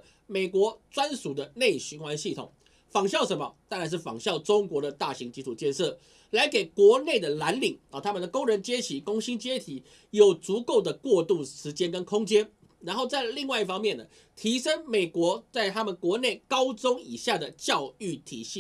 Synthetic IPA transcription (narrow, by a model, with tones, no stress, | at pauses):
me˨˩ɪkwɔ˧˥t͡swa˦nsu˨˩d̪ə˦ne˥˩ɪɕy˧˥nxwa˦nɕi˥˩t̪ʰʊ̰˨˩ŋ | fɑ˨˩ŋɕjɑ˥˩ʊʂə˧˥nmə˧t̪a˥˩na˧˥ʂɻ̩˥˩fɑ̰˨˩ŋɕjɑ˥˩ʊʈ͡ʂʊ˥ŋkwɔ˨˧˥ɾə˨t̪a˥˩ɕi˧˥ŋt͡ɕi˧˥t̪ʰu˨˩t͡ɕjɛ˥˧nʂɤ˥˩ | la˧˥ɪke˨˩ɪkwɔ˨˧˥ne˥˩ɪd̪ə˩la˧˥nli˨˩ŋə˨˩t̪ʰa˦mə˨nd̪ə˨˩kʊ˥ŋɻə˧˥nt͡ɕjɛ˥t͡ɕʰi˨˩kʊ˥ŋɕi˥nt͡ɕjɛ˥t̪ʰi˨˦ | jo˨˩ʊt͡su˧˥ko˥˩ʊd̪ə˩kwɔ˥˧t̪u˥˩ʂɻ̩˧˥t͡ɕjɛ˥nkə˦nkʰʊ˥ŋt͡ɕjɛ˥n | ɻa˧˥nxo˥˧ʊt͡sa˥˧ɪli˥˧ŋwa˥˧i˥˧fɑ˥ŋmjɛ˥˩nːə˩ | t̪ʰi˧˥ʂə˥ŋme˨˩ɪkwɔ˧˥˦t͡sa˥˩ɪt̪ʰa˥mə˨nkwɔ˧˥ne˥˩ɪkɑ˥ʊt͡sʊ˥ŋi˨˩ɕja˥˩d̪ə˩t͡ɕjɑ˥˧ʊy˥˩t̪ʰḭ˨˩˦ɕi˥˩